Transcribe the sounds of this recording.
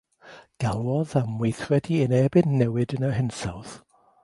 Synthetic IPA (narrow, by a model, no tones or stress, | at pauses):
ɡ̥alˠɔðamwejθrɛdiənɛbɪnːɛwɨdənəɦɪnsa̰wð